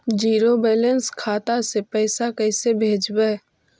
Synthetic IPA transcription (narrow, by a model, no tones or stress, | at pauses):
d͡ʒiːɾobɛːlənskʰaːt̪asepɛːsakɛːsebʱeːd͡ʒbɛ